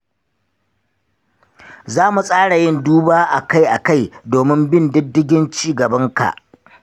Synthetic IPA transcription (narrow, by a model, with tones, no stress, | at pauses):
zaː˦mu˨sʼaː˦ɽa˨jɪ˦nduː˦baː˦ʔa˨ka˦˨jʔa˨ka˦˨jdoː˨mɪ˦mbɪ˦ndɪ˦dːɪ˦ɡʲɪ˦nt͡ʃiː˦ɡɐ˨bɐ˦ŋka̰˨ʔ